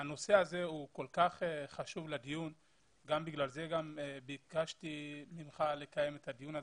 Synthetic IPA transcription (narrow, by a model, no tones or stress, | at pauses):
ano̞se̞aze̞uko̞lkaχeχaʃuvlad̪ijun | ɡambiɡlalze̞ɡambikaʃt̪iminχale̞kaje̞me̞t̪had̪ijuna